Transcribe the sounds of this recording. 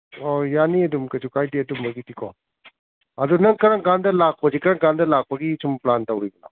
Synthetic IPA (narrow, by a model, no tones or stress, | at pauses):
ojaniɐdumkɐt͡ʃukʰajdiɐdumbɐɡitikʰo̰ | ɐdunɐŋkɐɾaŋɡandɐlak̚pɐzikɐɾaŋɡandɐlak̚pɐɡisumplantɐwɾiɡɐla̰